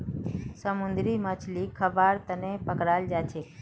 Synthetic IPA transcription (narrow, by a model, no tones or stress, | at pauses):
səmʊ̃nd̪ɾiːmət͡ʃʰliːkʰəʋaːɾt̪ənẽːpəkɾaːld͡ʒaːt͡ʃʰeː